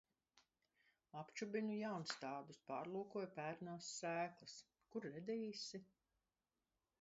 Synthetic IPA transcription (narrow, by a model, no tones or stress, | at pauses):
apt͡ʃubinujawnst̪aːd̪uspaːɾlˠuːkuɔjpæːɾnaːsːæːklˠɨs | kuɾːɛd̪iːsi